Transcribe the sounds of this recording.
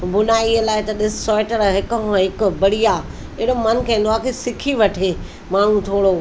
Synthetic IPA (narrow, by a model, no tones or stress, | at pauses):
bʊnaːiɦəlaːɪt̪ɐɗɪssɔːɪʈəɾɦɪkəɦɦɪkʊbɐɽija | ɪɽomɐnkɐ̃ːn̆d̪oaːkʰesɪkʰiʋɐʈʰe | maːɽ̤ũt̪ʰoːɽo